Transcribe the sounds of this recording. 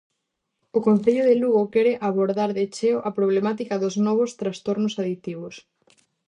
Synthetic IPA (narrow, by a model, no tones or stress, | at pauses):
ʊkonθeʎʊðeluɣokɛɾeʔaβoɾðaɾðet͡ʃeʊʔapɾoβlemat̪ikɐðʊznɔβ̞ʊst̪ɾast̪oɾnʊsaðit̪iβʊs